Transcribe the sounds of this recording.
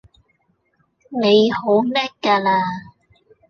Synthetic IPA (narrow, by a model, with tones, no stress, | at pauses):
ne˨˧jho˨˥wmɛː˥kkːaː˧laː˧